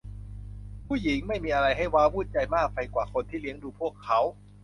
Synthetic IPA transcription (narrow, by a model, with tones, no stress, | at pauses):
pʰuː˥˩ji˩˦ŋma˥˩jmiː˧ʔa˧ɾa˧jɦa˥˩jwaː˦˥wuː˥˩t̪̚t͡ɕa˧jmaː˥˩k̚fa˧jkwaː˨˩kʰo˧nt̪ʰiː˥˩li˦˥əŋduː˧pʰu˥˩əkʰːa˦˥w